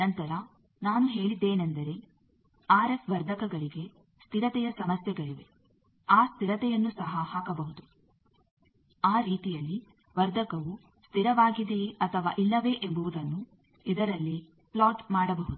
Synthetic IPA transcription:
nɐnt̪ɐɾɐ | naːnuɦe̞ːɭid̪ːeːnend̪ɐɾe̞ | aːɾefʋɐɾd̪ʱɐkɐɡɐɭiɡe̞ | st̪iɾɐt̪ɛjɐsɐmɐsjɛɡɐɭiʋe̞̰ | aːst̪iɾɐt̪ɛjɐnːusɐɦɐhaːkɐbɐɦud̪u | aːɾiːt̪ijɐlːi | ʋɐɾd̪ʱɐkɐʋu | st̪ʰiɾɐʋaːɡid̪eɐt̪ʰɐʋa̰ːʔilːɐʋe̞ʔembuʋud̪ɐnːu | id̪ɐɾɐlːi | plaːʈmaːɽɐbɐɦud̪u

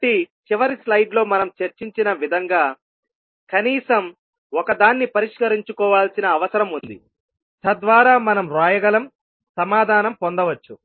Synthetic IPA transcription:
ʈit͡ʃiʋɐɾislɐjɖlo̞ːmɐnɐmt͡ʃeɾt͡ʃiɲt͡ʃinɐʋid̪ʱɐŋɡaː | kɐniːsɐm | ɔkɐd̪aːnːipɐɾiʂkɐɾiɲt͡ʃukɔːʋaːlsinɐːʋɐsɐɾɐmund̪ḭ | t̪ɐd̪ʋaːɾaːmɐnɐmɾaːjɐɡɐlɐm | sɐmaːd̪ʱaːnɐmpond̪ɐʋɐt͡ʃːu

